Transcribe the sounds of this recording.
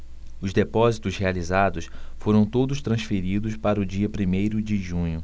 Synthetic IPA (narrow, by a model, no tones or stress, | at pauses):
ʊzd̪epɔzit̪ʊshealizad̪ʊsfoɾɐ̃w̃t̪od̪ʊst̪ɾɐ̃sfeɾid̪ʊspaɾɐʊd͡ʒiɐpɾimejɾʊd͡ʒɪʒũɲʊ